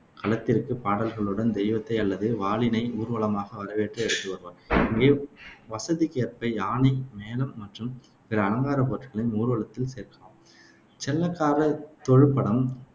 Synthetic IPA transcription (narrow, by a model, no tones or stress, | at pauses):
kɐlɐt̪ːɪɾɯkːɯpaːɽɐlɣɐɭɯɽɐnd̪ɛjʋɐt̪ːɐɪɐlːɐðɯʋaːɭɪnɐɪuːɾʋɐɭɐmaːɣɐʋɐɾɐʋeːʈrɐɛɽɯt̪ːɯʋɐɾɯʋaːɾɪŋɡeːʋɐsɐðikeːɾpɐɪaːnimeːlɐmːɐʈrɯm | pɪɾɐːlɐŋɡaːɾɐpoːɾʈɣɐɭɪnuːɾɯʋɐɭɐt̪ːɪlseːɾkɐːm | t͡ʃɛlːɐkːaːɾɐt̪ɔɻɯpːɐɽɐm